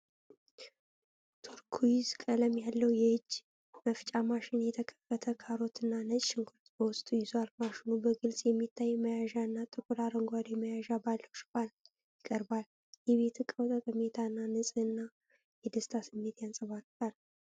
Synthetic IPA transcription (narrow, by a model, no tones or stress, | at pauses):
t̪ʰuɾkʰujizkʼələmjalːəwjɛhɨd͡ʒː | məft͡ʃʼamaʃɪnjɛt̪ʰəkʰəfət̪ʰəkʰaɾo̞t̪ɨnːanət͡ʃʼʃɪŋɡʰʊɾt̪bəwʊst̪ʼujɪzoaɾmaʃɪnubəɡɨlsʼjɛmːit̪ʰːajːməjaʒaɨnːat̪ʼɨkʼuɾaɾəŋɡʷad̪iməjaʒabalːəwʃkʼal | jɪkʼəɾbal | jɛβe̞t̪ʰkʼəwt̪ʼəkʼəme̞t̪ʰanːanɨsʼɨɨnːa | jɛd̪əst̪ʰasɨmːe̞t̪jansʼəβaɾt̪al